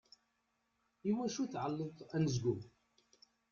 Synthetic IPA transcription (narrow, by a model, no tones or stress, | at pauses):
iwæʃuθʕəlːəðt̪ænəzɡu